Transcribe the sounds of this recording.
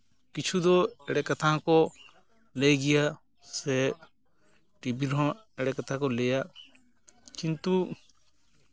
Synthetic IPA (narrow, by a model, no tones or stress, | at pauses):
kɪt͡ʃʰud̪oeːɽekət̪ʰako | leɡɪjaː | se | ʈibiɾõ | eɽekɐt̪ʰakoleːja | t͡ʃɪ̃nt̪u